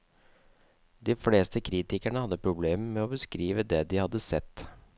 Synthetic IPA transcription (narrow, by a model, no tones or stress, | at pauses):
d̪ɪfleːst̪əkʰɾiːt̪ɪkæɳəhɑd̪ːəpʰɾʊbleːmmɛɔbəskɾiːʋəd̪ɛd̪ɪhɑd̪ːəsɛt̪ː